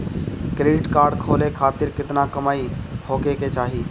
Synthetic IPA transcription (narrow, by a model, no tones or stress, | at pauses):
kɾeːɖɪʈkaːɾɖkʰoːlekʰaːt̪ɪɾkɪt̪nakɐmaːihoːkeket͡ʃaːɦiː